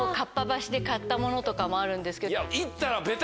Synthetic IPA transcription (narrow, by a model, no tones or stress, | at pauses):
kapːabaɕid̪e̞kat̪ːamo̞no̞t̪o̞kamo̞aɾɯ̟̃nd̪e̞sɨ̥ke̞jait̪ːaɾabe̞t̪